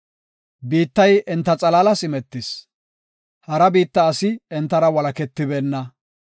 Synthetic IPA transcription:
biːt̪ːɐjʔɛnt̪ːɐt͡sʼɐlalɐsɪmɛt̪ːɪs | hɐɾɐbiːt̪ːɐːsɪɛnt̪ːɐɾɐwɐlɐkɛt̪ːɪbɛːnːɐ

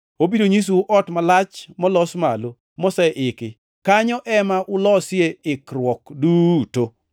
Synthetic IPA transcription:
obidoɲis̬uʔɔtmalat͡ʃmɔlɔsma̰lo | mɔsɛʔɪkɪ | kaɲɔʔɛmaʔʊlɔsɪeɪkɾwɔkduto

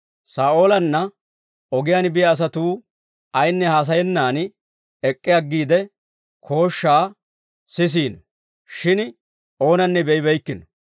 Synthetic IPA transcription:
saːʔo̞ːlɐnːɐ | ɔɡɪjaːnbɪjɐːs̬ɐt̪uː | ɐjnːɛhaːs̬ɐjɛnːaːn | ɛkʼːɪjɐɡːiːd̪ɛ | kʰo̞ːʃːaː | sɪs̬iːn | ʃɪn | ʔo̞ːnɐnːɛbɛjɪbɛjkːɪn

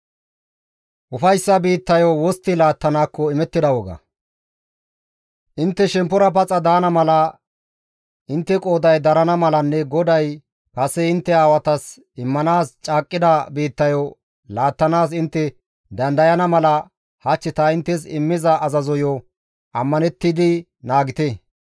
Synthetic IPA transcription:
ʔʊfɐjsːɐbiːt̪ːɐjɔwɔst̪ːɪlaːt̪ːɐnaːkːɔɪmɛt̪ːɪd̪ɐwɔɡɐ̰ | ʔɪnt̪ːɛʃɛmpːɔɾɐp̬ɐt͡sʼɐd̪aːnɐmɐlɐ | ɪnt̪ːɛkʼo̞ːd̪ɐjd̪ɐɾɐnɐmɐlɐnːɛɡɔd̪ɐj | pɐsɛɪnt̪ːɛaːwɐt̪ɐs | ɪmːɐnaːst͡ʃʼaːkʼːɪd̪ɐbiːt̪ːɐjɔ | laːt̪ːɐnaːsɪnt̪ːɛ | d̪ɐnd̪ɐjɐnɐmɐlɐ | hɐt͡ʃːɪt̪ɐɪnt̪ːɛs̬ɪ̰mːɪzɐʔːzɐzɔjɔ | ʔɐmːɐnɛt̪ːɪd̪ɪ | naːɡɪt̪ɛ

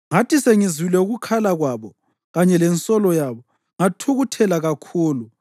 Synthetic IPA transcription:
ŋatʰiseŋizilɛuɣukʰalaɣwaβɔ | ɣaɲɛlɛnt͡sʼɔlɔjaβɔ | ŋatʰuɣutʰɛlaɣakʰuːlu

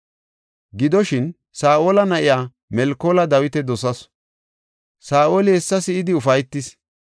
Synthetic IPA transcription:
ɡɪd̪ɔʃɪn | saːʔoːlɐnɐʔɪjaː | mɛlkːoːlɐd̪ɐwɪt̪ɛd̪ɔsɐs | saːʔoːlɪɛsːɐsɪɪd̪ɪʊfɐjt̪ːɪs

